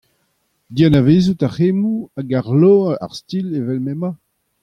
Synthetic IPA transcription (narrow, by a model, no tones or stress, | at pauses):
dianaveːzutahemuaɡaʁloa̰ʁstilevɛlmɛma